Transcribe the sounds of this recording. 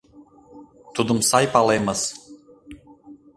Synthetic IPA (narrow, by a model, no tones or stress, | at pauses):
t̪ud̪umsajpalˠɛjmɐs